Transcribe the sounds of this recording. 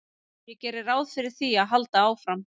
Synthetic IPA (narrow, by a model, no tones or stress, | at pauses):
jɛcɛːɾɪɾaːwðfɪɾɪɾ̥θiaðɦalt̪aaːwfɾam